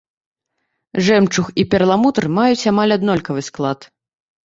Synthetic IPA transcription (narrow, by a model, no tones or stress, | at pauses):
ʐɛmt͡ʂuxipʲɛrlˠamut̪ɐrmajut͡sʲamalʲad̪nɔlʲkɐvɨsklˠat̪